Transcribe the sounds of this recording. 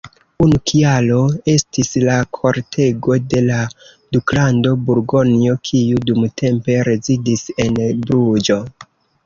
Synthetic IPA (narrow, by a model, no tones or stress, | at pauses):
unukʰialo̞e̞stislakʰo̞ɾtʰe̞ɡo̞de̞la | duklando̞buɾɡo̞nio̞kʰijudumtʰe̞mpe̞ɾe̞zidise̞nbɾud͡ʒo̞